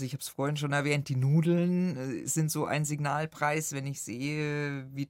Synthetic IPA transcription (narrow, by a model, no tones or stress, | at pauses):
zoɪçhaːbsfoːɐɪnʃoːnɛɐvɛːnt̚d̥iːnuːdl̩nz̥ɪntz̥oːʔa̰ɪnzɪɡnaːlpʁ̥aɪsvɛnɪçz̥eːəviː